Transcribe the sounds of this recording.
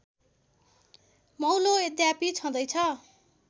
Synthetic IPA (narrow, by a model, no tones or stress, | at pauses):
mʌwloed̪japit͡sʰʌ̃d̪ʌjt͡sʰʌ